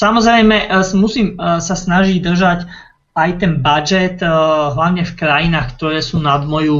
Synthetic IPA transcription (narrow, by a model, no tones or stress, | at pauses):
samɔzɾɛjmɛmusiːmsasnaʒiɟd̪r̩ʒac | ajt̪ɛnbad͡ʒɛt̪ɦlaʊɲɛfkɾajinaːxkt̪ɔɾɛːsuːnad̪mɔju